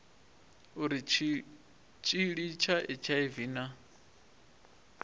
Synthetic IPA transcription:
uɾi | t͡ʃʼiɺit͡ʃʰaʔit͡ʃʰaiviːna

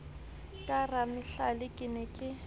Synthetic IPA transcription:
kʼaramɪɬalɪkʼɪnɛkʼɪ

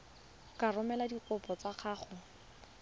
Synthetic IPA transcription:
karʊmɛladikʊpɔt͡saχʰaːχʊ

